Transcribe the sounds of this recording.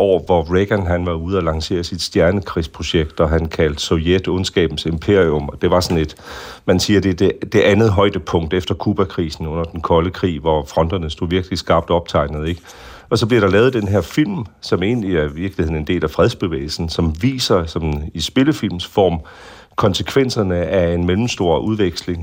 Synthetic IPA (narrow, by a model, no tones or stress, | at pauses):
ɒʊ̰ɐʋɒʁeɡ̥ænɦænʋɑ̈uð̞̩ˠælɑ̈ŋse̝̰ːɐsid̥sd̥jæɐnəkʰʁḭːspʰʁo̝ɕeɡ̥̚d̥ɒɦænkʰæld̥sojed̥ɔnsɡ̥ɛ̰ːb̥n̩se̝mpʰe̝ɐ̰iɔmɒd̥e̝ʋɑ̈sɒ̽ne̝d̥mænsiːɐd̥e̝d̥ed̥e̝ʔænð̩ˠɦɒ̽ɪd̥əpʰɔ̽ŋ̰d̥efd̥ɐkʰuːb̥ækʰʁḭːsn̩ɔ̽n̰ɐd̥enkʰɒ̽ləkʰʁḭːʋɒfʁɒ̽nd̥ɐnəsd̥o̝ʋiɐɡ̥lisɡ̥ɑ̈ːb̥̚d̥ɒ̽b̥̚t͡sʰɑ̈ɪnð̩ˠe̝ɡ̥ | ɒ̽sɒ̽b̥liɐɾ̥ɑ̈lɛːʊð̩ˠd̥enɦeɐfil̰msɒ̽me̝ːnliæɐʋiɐɡ̥lihe̝ðˠne̝nd̥e̝̰ːlæfʁɛð̞ˠsb̥e̝ʋḛːɪl̩sn̩sɒ̽mʋḭːsɐsɒ̽misb̥e̝ləfil̰msfɒ̰ːm | kʰɒ̽nsəkʰʋen̰sɐnəæe̝nmelm̩sd̥o̝ɐ̰ʔuðˠʋeɡ̥sle̝ŋ